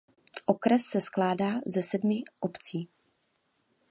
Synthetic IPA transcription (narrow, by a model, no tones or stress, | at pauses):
ʔo̞kɾɛsːɛsklaːdaːzɛsɛdmɪʔopt͡siː